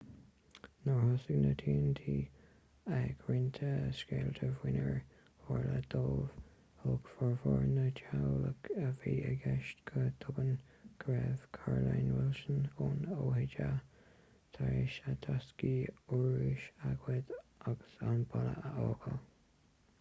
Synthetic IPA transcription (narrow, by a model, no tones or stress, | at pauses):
nɔɹhɔsəɡnət̪ʰiːnt̪ʰiː | əɡɾɪnt̪ʰəskeːlt̪ʰəvwɪnəɹ | aɹləd̪̥oːv̥ | hoɡfɔɹvɔɹnət͡ʃʰawləkəviːəɡɛʃtkʰəd̪̥ʰʊbən | ɡ̥ɾɛːv̥kʰaɹlajnwɛlʃənoːnoːhɪd͡ʒa | t̪ʰaɹɪʃət̪ʰaskiuɹɪʃaɡwɛd̪ʔaɡ̥əsanbalə̰ʔəʔoːɡə